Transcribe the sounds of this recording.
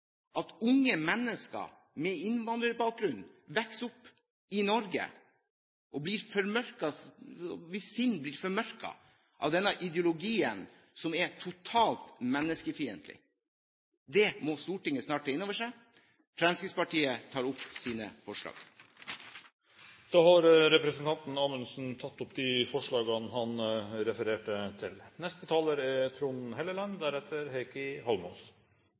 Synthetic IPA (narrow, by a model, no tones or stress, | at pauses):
ʔɑt̪ʊŋːəmɛnːəskɑ̰ | mɛɪnʋɑnd̪ɾəɾbɑːk̚ɡɾʉnːʋɛksʊpː | ɪnɔɾɡə̰ | ʔɔbliːɾfɔɾmœɾkɑ | ʋɪssɪnːbliːɾfɔɾmœɾkɑ̰ | ʔɑ̰ʋd̪ɛnːɑʔɪd̪jʊlʊɡiːən | sɔmɛt̪ʰʊt̪ʰɑːlt̪mɛnːəskəfiːə̰nt̪lɪ̰ | d̪ɛmɔst̪uːʈɪŋːəsnɑːʈəɪnːoːʋəʂæɪ | fɾɑnskɪspɑʈiːət̪ʰɑːɾʊpːsiːnə̰fɔʂlɑ̰ːɡ̥ | d̪̥ɑːhɑɾɾɛpɾɛsn̩t̪ʰɑnt̪n̩ɑːmənsn̩t̪ʰɑt̪ːʊpːd̪ɪfɔʂɭɑːɡɑnɦɑnɾɛfəɾeːʈət̪ʰɪlnɛst̪ət̪ʰɑːləɾɛt̪ʰɾunhɛləlɑnd̪æɾɛt̪ʰəɾheɪkəhɔlmɔs